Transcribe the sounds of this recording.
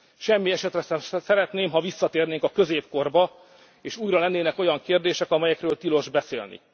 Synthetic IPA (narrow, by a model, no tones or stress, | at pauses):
ʃɛmːiɛʃɛt̪rɛʃɛmsɛɾɛt̪neːmɦɒvisːɒt̪eːrneːŋkɒkø̞zeːpko̞rbɒ | eːʃuːjrɒlɛnːeːnɛko̞jɒŋkeːrd̪eːʃɛkɒmɛjɛkrøːlt̪ilo̞ʒbɛsḛːlnḭ